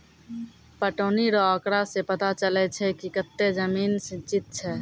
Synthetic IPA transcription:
pəʈoniɾɔəkɾasẽpət̪at͡ʃəlɛt͡ʃʰɛkikət̪ːed͡ʒəminsĩt͡ʃit̪̚t͡ʃʰɛ

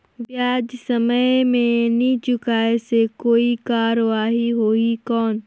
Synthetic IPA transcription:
ʋjaːd͡ʒsɐməjmẽnĩt͡ʃʊkaːesekoːikaːɾʋaːɦiɦoːikɔːn

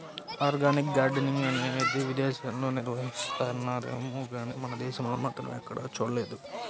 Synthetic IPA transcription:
aːɾɡaːnik̚ɡaːɖniŋɡɐned̪iʋid̪ɛːʃaːnlo̞ːniɾʋɐɦist̪aːunːaːɾeːmuɡaːniːmɐnɐd̪ɛːʃɐmloːmaːt̪ɾɐ̰mɛkːɐɽa̰ːt͡ʃuːɽɐle̞ːd̪u

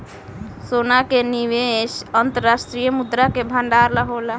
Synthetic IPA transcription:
sonakeniʋesənt̪əɾasʈɾijəmud̪ɾakebʱəɳɖaɾləɦola

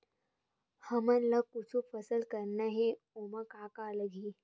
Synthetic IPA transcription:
həmənlakut͡sʰufəsəlkəɾnaɦe | omakakaləɡiː

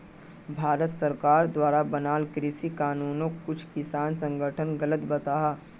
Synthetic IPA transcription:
bʱaːɾət̪səɾkaːɾd̪waːɾabɐnaːlkɾɪsikaːnuːnõkʊt͡ʃʰkɪsaːnsə̃ŋɡʱəʈʰənɡɐlət̪bɐt̪aːɦaː

